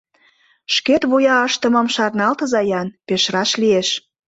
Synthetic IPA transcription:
ʃket̪βujɑəʃt̪ə̆mə̆mʃɑrnɑlt̪ə̆zɑjɑnpeʃɾɑʃlieʃ

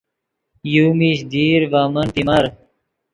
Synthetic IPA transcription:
juːmiɕd̪iːɾʋaːmɐnt̪imɐɾ

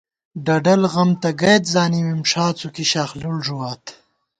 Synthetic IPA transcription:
ɖɐɖɐlɣɐmt̪ɐɡɐjt̪zaːnimimʂaːt͡sukiɕaːxlulʐuwaːt̪

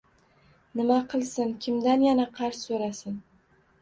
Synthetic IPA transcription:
nɪmaqʰɨlˠsɪnkʲʰɪmd̪anjanaqʰɑɾssɵɾasɪn

